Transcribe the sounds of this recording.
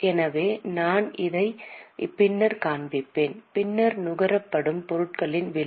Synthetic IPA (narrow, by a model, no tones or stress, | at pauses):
ʔɛnɐʋeːnaːnʔɪðɐɪpɪnːɐɾkaːnbɪpːeːnpɪnːɐɾnʊɣɐɾɐpːɐɽɯmpɔɾɯʈ̚kɐɭɪnʋɪl